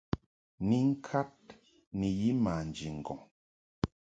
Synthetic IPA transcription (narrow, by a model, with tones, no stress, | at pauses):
ni˦ŋ̩˦kʰa˦t̚ | ni˨ji˦ma˨n˨d͡ʒi˨ŋ̩˨ɡɔ˨ŋ